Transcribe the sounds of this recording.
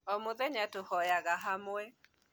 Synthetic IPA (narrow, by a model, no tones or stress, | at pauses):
ɔmʊðɛɲatohɔjaɣaɦamʊɛ